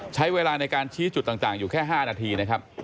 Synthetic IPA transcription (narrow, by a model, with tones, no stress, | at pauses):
t͡ɕʰa˦˥jweː˧laː˧na˧jkaː˧nt͡ɕʰiː˦˥t͡ɕu˨˩t̪ːaː˨˩t̪aː˨˩ŋjuː˨˩kʰɛː˥˩ɦaː˥˩naː˧t̪ʰiː˧na˦˥kʰa˦˥p̚